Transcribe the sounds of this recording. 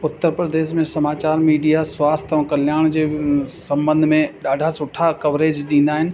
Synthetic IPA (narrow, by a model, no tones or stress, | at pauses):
ʊt̪ːəɾpɾəd̪eːʃmẽsɐmaːt͡ɕaːɾmiːɖijaswaːst̪ʰə̃kɐljaːɽ̃d͡ʑeːsɐ̃mbə̃nd̪ʱmẽɗaːɖʱasʊʈʰakɐʋɾeːd͡ʒɗĩːnd̪aːɦɪnɪ̆